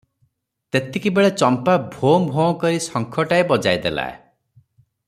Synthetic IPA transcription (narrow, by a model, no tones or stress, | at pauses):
t̪et̪ikibeɭet͡ʃɔmpabʱombʱɔɔkɔɾisɔŋkʰɔʈaebɔd͡ʒajd̪ela̰ḛ